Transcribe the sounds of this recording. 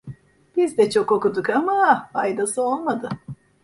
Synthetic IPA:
b̥izd̪ɛt͡ʃʰo̞ko̞kud̪ukamafajd̪asɯo̞lˠmad̪ɯ

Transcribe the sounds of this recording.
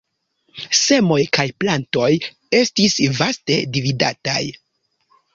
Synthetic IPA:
se̞mo̞jkajplanto̞j | e̞stisvaste̞divida̰ta̰j

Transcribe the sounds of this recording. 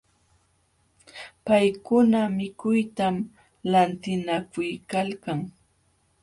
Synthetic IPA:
pajkʊnamɪkʊjt̪am | lant̪ɪnakʊjkalkaŋ

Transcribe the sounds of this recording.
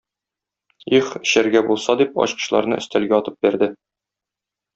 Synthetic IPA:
iχɕæɾɡæbulˠsɑd̪ipɒ̰ɕqɤ̥̆ɕlˠɑ̰ɾnɤ̰ʔɘ̆st̪ælɡæɒt̪ɤp̚bæɾd̪ɘ

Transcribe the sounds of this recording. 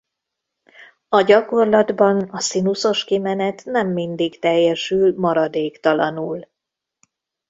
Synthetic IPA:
ɒɟɒko̞rlɒd̪bɒnɒsinuso̞ʃkimɛnɛt̪nɛmːind̪ikt̪ɛjːɛʃylmɒɾɒd̪eːkt̪ɒlɒnuːl

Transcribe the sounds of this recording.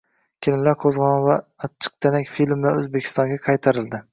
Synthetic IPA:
kʲʰɪlɪlaɾqʰozʁɒnɪvaːt͡ʃʰːɨ̥q̚t̪ʰanakʲfilmːaɵzbekʲʰɪ̥st̪ɒŋɡʲaqʰɑjt̪ʰaɾɪld̪ɪ

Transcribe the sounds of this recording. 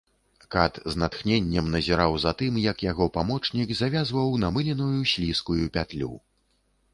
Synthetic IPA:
kat̪znat̪xnʲenʲːɛɐmnɐzʲɛɾawzat̪ɨmjɐkjaɣɔpamɔt͡ʂnʲikzavʲazvɐwnɐmɨlʲinujusʲlʲiskujupʲat̪lʲṵ

